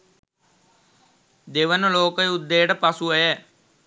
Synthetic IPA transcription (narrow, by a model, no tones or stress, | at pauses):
d̪eʋənəloːkəjud̪ːejəʈəpasuəjɛ